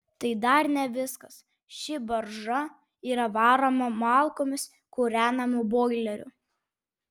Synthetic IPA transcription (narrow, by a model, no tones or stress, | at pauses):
t̪ɐɪd̪ɐɾnʲɛʋʲɪskɐs | ʃʲɪbɐɾʒɐ | iːɾɐʋɑːɾoːmɐmɑːlˠkoːmʲɪs | kʊɾʲæːnɐmʊboːɡlʲɛɾʲʊ̰